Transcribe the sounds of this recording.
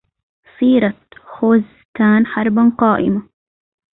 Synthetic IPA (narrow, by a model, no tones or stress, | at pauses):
sˤiːɾˤɑt̪xoːz | t̪aːnħɑɾˤbanqɑːʔɪ̰ma